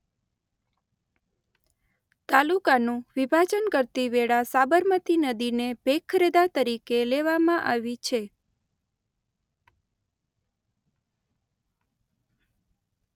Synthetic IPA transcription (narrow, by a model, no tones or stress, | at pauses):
t̪alukanũʋibʱad͡ʒənkəɾt̪iʋeɭasabəɾmət̪inəd̪inebʱekʰːəɾed̪at̪əɾikeleʋamãʔa̰ʋit͡ʃʰe